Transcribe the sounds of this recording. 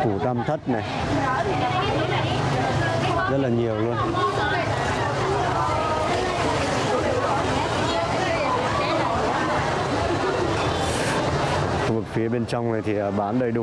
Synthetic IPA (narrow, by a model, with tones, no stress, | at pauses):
ku˧˩t̪a˧mt̪ʰə˦˥t̚na˨˩j | zə˦˥t̚laː˨˩ɲi˨˩əwlu˧ən˨˧˨ | xu˧vɨ˨˩k̚fi˨˦əɓe˧nt͡ɕɔ˧wŋ͡mna˨˩jt̪ʰi˨˩ʔəː˧˩ɓaː˧˦nɗəː˨˩jɗu˧